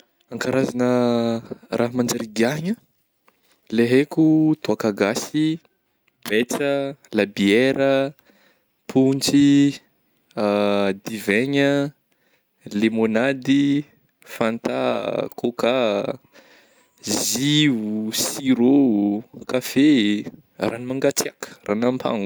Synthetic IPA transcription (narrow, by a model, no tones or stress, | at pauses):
aŋkaɾʔazanə | rʔaɦmand͡ʒaɾiɡaɲə | leɦekʲut̪oakaɡasi | bet͡səlabieɾʔə | pʰunt͡si | ad̪iveɲə | lemonad̪i | fant̪akoka | zivusiɾokafe | ranimaŋɡat͡siakə̥ranampʰa̰ŋu